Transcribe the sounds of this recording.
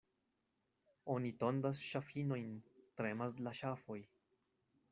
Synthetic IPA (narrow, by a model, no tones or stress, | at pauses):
o̞nito̞ndasʃafino̞jntɾe̞maslaʃafo̞j